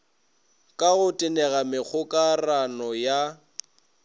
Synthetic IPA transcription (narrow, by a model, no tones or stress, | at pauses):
kʼaɣʊtʼɪnɛɣamɪk͡xʰʊkʼaranɔja